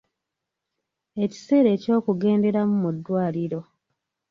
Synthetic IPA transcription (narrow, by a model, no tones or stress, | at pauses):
e̞ci̥se̞ːɾe̞ːco̞ːkuɡe̞ːnde̞ɾamumudːwaːliɾo̞